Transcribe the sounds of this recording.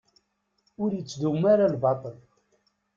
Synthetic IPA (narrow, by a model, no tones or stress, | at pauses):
ʊɾjət͡sːd̪umːaɾalbɑt̪ˤəl